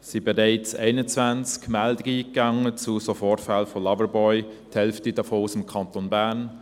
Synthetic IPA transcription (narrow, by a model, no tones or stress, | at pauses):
sibeɾeɪt͡sḛɪnət͡svant͡skmɛldəɡiːɡaŋət͡susofɔrfalfolɑvəɾbɔʏ | thɛlftidafoːsɪmkʰɑntonbæːɾn